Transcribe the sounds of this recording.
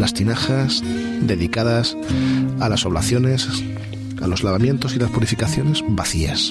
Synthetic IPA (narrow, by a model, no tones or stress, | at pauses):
last̪inaxas | d̪e̞ðikaðas | alaso̞β̞laθjo̞nes | a̰lo̞zlaβamjent̪o̞silaspuɾifikaθjo̞ne̞zbaθias